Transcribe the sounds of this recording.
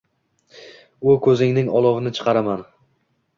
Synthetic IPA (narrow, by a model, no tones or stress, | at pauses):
ʊkʰɵzɪŋnɪŋɒlˠɒvɪnɪt͡ʃʰɨ̥qʰɑɾaman